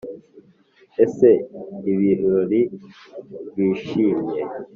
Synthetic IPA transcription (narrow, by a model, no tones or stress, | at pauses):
eseiβiɾɾoɾi | βiːʃiːmje